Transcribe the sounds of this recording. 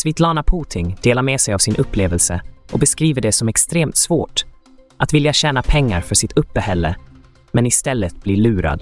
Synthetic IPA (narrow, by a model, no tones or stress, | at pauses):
svɪt̪ʰlɑːnapʰuːt̪ʰɪŋd̪̥eːlaɾmeːsɛjavsɪnʔɵpːleːvəlsəʔɔbɛskɾiːvəɖɛsɔmɛkst̪ɾeːmt̪svoːʈ | ʔat̪vɪljaɕɛːnapʰɛŋːaɾfœʂɪt̪ʰɵpːəhɛlːə | mɛnɪst̪ɛlːət̪̚b̥liɭʉ̟ːɾa̰d̪